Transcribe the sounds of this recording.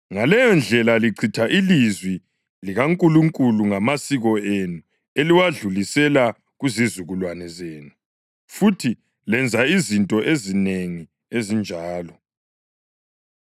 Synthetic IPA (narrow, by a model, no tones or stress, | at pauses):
ŋalɛjɔnd͡ɮʱɛlaliǀʰitʰaʔilizwi | liɣaŋkʼuluŋkʼuluŋamasiɣɔenu | eliwaɮulisɛla | ɣuzizuɣulwanɛzeːnu | futʰi | lɛnd͡zʱaizintʼɔʔezineŋi | ezind͡ʒʱaːlɔ